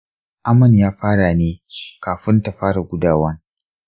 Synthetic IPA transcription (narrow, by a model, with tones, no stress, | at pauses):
ʔa˦mɐ˨njaː˦ɸaː˦ɽa˨neː˦kaː˨ɸɪ˦nta˨ɸaː˦ɽa˨ɡʷʊ˦daː˨wɐ˦n